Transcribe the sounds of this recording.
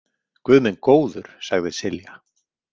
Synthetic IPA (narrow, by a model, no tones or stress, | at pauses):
kvʏðmɛnkoːwðʏɾ̥saɣðɪsɪlja